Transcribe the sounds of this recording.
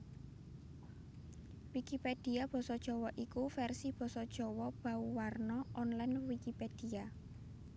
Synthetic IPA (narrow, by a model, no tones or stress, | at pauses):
wikiped̥i̤ab̥ɔ̤sɔd̥ʒ̥ɔ̤wɔʔikufɛrsib̥ɔ̤sɔd̥ʒ̥ɔ̤wɔb̥ä̤uwarnɔʔɔnlanwikiped̥i̤a